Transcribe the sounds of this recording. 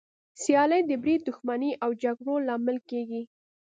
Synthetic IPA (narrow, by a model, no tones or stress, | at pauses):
sjɑləjd̪əbɾid̪d̪ʊxmaniʔawd͡ʒaɡɽolɑmɪlkeɡi